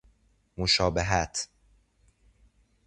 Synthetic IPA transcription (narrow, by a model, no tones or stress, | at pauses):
moʃɒːbeɦæt̪ʰ